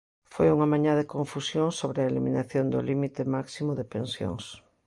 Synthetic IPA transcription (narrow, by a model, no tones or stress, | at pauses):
fojuŋamãɲaðekõɱfusjoŋsoβɾɪaelimḭnaθjond̪ʊlimit̪ɪmaksimʊðɪpensjo̰ŋs